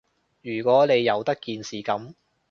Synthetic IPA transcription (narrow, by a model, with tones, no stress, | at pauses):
jyː˨˩kʷɔː˨˥ne˨˧jːɐ˨˧wt̪ɐ˥kːiː˨nsiː˨kɐ˨˥m